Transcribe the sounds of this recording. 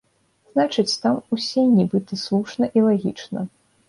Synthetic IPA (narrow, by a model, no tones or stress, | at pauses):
znat͡ʂɨt͡sʲt̪amusʲɛnʲibɨt̪ɨslˠuʂnɐʔilˠaɣʲḭt͡ʂnɐ